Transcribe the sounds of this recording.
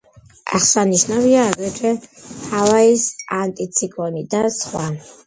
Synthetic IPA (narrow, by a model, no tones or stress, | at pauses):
a̰χsaniʃnaviaːɡɛt͡ʃʰɛhalaisant̪ʼit̪sʰikʼɔnid̪asχwa